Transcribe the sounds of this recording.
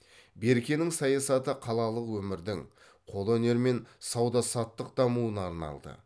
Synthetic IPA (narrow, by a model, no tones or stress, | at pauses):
be̞ɾkʲe̞nɪŋsɑjɑsɑt̪əqʰɑlˠɑlˠəqwɵmɪɾd̪ɪŋ | qʰo̞lˠɵne̞ɾme̞nsɑwd̪ɑsɑt̪ːəq̚d̪ɑmuənɑɾnɑ̰lˠd̪ə̰